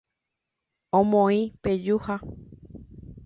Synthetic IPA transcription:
õmõĩped͡ʒuha

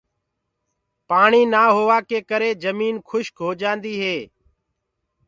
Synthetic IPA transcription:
paːɳiːnaːɦoːʋaːkeːkəɾeːd͡ʒəmiːnkʰʊʃkɦoːd͡ʒãːnd̪iːɦeː

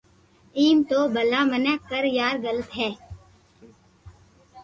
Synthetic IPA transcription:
iːmt̪oːbəlãːmənɛkːəɾjaːɾɡələt̪ɦɛː

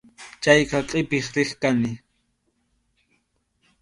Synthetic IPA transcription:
t͡ʃajqɑqʼɪpɪχɾɪχkanɪ

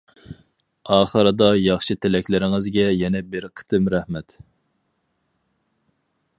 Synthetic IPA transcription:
ɑːχəɾɨd̪ɑjɑχʃɨt̪ʰɪlɛkʲlɪɾɪŋɪzɡʲɛjɛnɛbɪɾqʰə̥t̪ʰɨmɾɛhmɛt̪

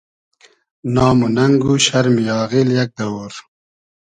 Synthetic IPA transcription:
nɑːmunɐŋɡuɕɐɾmijɑːɣiljɐk̚d̪ɐwoːɾ

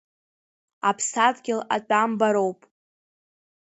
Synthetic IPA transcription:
apʰsatɡʲɪla̰t͡ʃʷʼambaɾo̞wpʼ

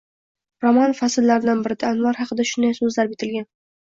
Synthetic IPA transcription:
ɾɒmanfasɪlːaɾɪd̪anbɪɾɪd̪aːnvaɾhɑqɨd̪aʃʊnd̪ajsɵzlaɾbɪt̪ʰɪlɡʲan

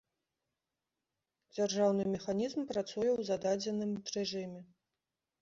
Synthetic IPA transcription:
d͡zʲarʐawnɨmʲɛxanʲizmpɾat̪sujɛwzad̪ad͡zʲɛnɨmrɛʐɨmʲɛ

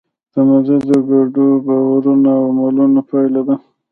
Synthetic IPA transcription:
d̪̥əmazed̪əɡaɖubawaɾunawmalunapajlad̪a

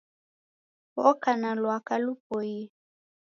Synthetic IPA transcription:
ɔkanalwakalup̚ɔji

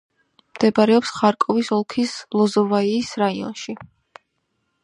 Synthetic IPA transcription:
md̪̥ɛbaɾɛɔpsχaɾkʼɔvisɔlˠkʰislˠɔzɔvaiːsɾaiɔ̰nʃi

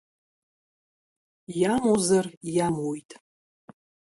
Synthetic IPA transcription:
jamozarjamojtʼ

